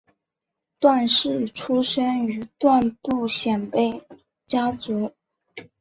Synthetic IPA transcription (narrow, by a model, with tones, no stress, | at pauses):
t̪wa˥˧nʂɻ̩˥˩ʈ͡ʂʰu˥ʂə˥ny˧˥t̪wa˥˧npu˥˩ɕjɛ˨˩npe˥˩ɪ | t͡ɕja˥t͡su˧˥